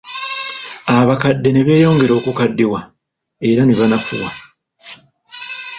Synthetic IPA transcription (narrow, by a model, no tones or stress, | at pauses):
aβakadːe̞ne̞βe̞ːjo̞ːŋɡe̞ɾo̞ːkukadːiwa | e̞ɾaneβanafṵwa